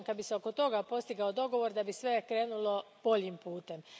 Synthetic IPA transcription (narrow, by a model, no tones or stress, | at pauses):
kabiseo̞ko̞t̪o̞ɡapo̞st̪iɡaod̪o̞ɡo̞ʋo̞ɾd̪abisʋe̞kɾe̞ːnulo̞b̥o̞ʎimpuːt̪e̞m